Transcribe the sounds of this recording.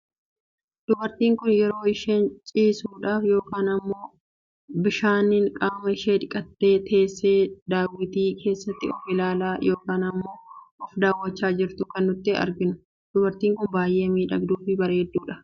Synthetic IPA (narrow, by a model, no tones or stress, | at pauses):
d̪̥ʊbɐɾt̪iːŋkʊnjɛɾo̞ːɪʃent͡ʃʼiːsuːᶑaːfjo̞ːkaːnɐmːo̞ː | bɪʃaːnɪŋkʼaːmɐɪʃeːᶑ̪ɪkʼɐt̪ːe̞ːt̪ʰe̞ːsːe̞ːd̪aːwɪt̪iːkʰe̞ːsːɐt̪ːɪɔfɪlaːlaːjʔo̞ːkaːnɐmːo̞ːɔfd̪aːwːɐt͡ʃːaːd͡ʒɪɾt̪ʊkɐnːʊt̪ːɪɐ̰ɾɡɪnʊ | d̪̥ʊbɐɾt̪iːŋkʊnbaːjʔe̞ːmiːᶑɐɡd̪uːfɪbɐɾeːd̪ːuːᶑɐ̥